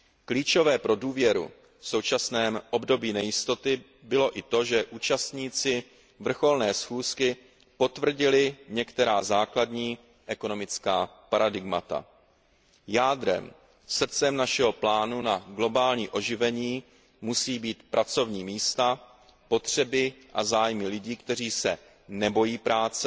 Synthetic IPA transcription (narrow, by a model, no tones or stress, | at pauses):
kliːt͡ʃo̞vɛːpɾo̞duːvjɛɾṵ | fso̞wt͡ʃasnɛːmʔo̞bdo̞biːnɛjɪst̪o̞t̪ɪ | bɪlo̞ʔɪt̪o̞ʒɛʔuːt͡ʃast̪ɲiːt͡sɪ | vr̩xo̞lnɛːsxuːskɪ | po̞t̪vr̩ɟɪlɪɲɛkt̪ɛɾaːzaːkladɲiː | ʔɛko̞no̞mɪt͡skaː | paɾadɪɡmat̪a̰ | jaːd̪ɾɛ̰m | sr̩t͡sɛmnaʃɛɦo̞plaːnunaɡlo̞baːlɲiːʔo̞ʒɪvɛɲiː | musiːbiːt̪pɾʔat͡so̞vɲiːmiːst̪a | po̞t̪r̝̥ɛbɪʔa̰zaːjmɪlɪɟiːkt̪ɛr̝iːsɛ | nɛbo̞jiːpɾaːt͡sɛ